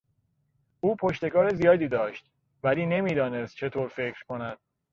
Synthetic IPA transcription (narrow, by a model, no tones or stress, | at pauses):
ʔuːpʰo̞ʃt̪e̞kɒːɾezijɒːd̪iːd̪ɒːʃt̪ | væliːne̞miːd̪ɒːne̞st̪̚t͡ʃʰe̞t̪ʰoːɾfe̞kʰɾ̥kʰo̞næd̪̥̚